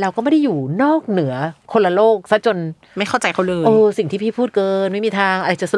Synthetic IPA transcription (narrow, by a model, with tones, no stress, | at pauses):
ɾa˧wkɔː˥˩ma˥˩da˥˩juː˨˩nɔː˥˩k̚nɯ˩˦ɐkʰːo˧nla˧loː˥˩k̚sa˦˥t͡ɕo˧n | ma˥˩jkʰa˥˩t͡ɕa˧jkʰa˥˩wlɯː˧ʔɤː˧˩si˨˩ŋt̪ʰiː˥pʰiː˥˩pʰuː˥˩t̪̚kɤː˧nma˥˩jmiː˧t̪ʰaː˧ŋʔa˧ɾa˧jt͡ɕa˨˩s